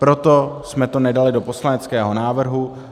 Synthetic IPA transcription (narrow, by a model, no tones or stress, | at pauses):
pɾo̞t̪osmɛt̪o̞nɛdalɪdo̞po̞slanɛt͡skɛːɦo̞naːvr̩ɦu